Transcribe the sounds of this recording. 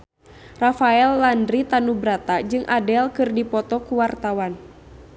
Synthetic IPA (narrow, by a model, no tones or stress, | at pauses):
rafaɛlːandɾit̪anubɾat̪ad͡ʒɨŋʔadɛlkɨrdipɔt̪ɔkuwart̪awan